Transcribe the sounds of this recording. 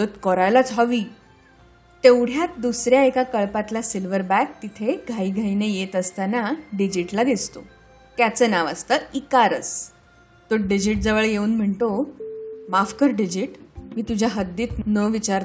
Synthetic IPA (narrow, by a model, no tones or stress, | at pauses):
ət̪kəɾajlat͡sʰaʋiː | t̪ewɽ̤jat̪̚d̪usɾjaekakəɭpat̪lasilʋəɾbæk̚t̪it̪ʰeɡʱaiːɡʱainejet̪əst̪anaɖid͡ʑiʈlaɡ̪et͡st̪o | t̪jat͡sənaʋa̰st̪əikaɾət͡s | t̪oɖid͡ʑiʈ̚d͡zəʋəɭjeuːnm̤əɳʈ̪o | mafkəɾɖid͡ʑiʈmiːt̪ud͡ʑʱjaɦəd̪ːiːt̪nəʋit͡ɕaɾ